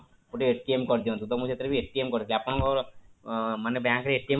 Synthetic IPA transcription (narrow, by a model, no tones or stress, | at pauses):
poʈieʈːiemkɔɾd̪ĩt̪ũt̪ɔmũd͡ʒet̪əɾibieʈːiemkɔɾd̪iliapə̃ɳkɔɾ | mənebãkɾieʈːie